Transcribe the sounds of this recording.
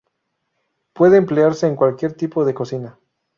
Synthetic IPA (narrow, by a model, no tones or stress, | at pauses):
pwe̞ðeːmpleaɾse̞ːŋkwalkje̞ɾt̪ipo̞ðe̞ko̞sina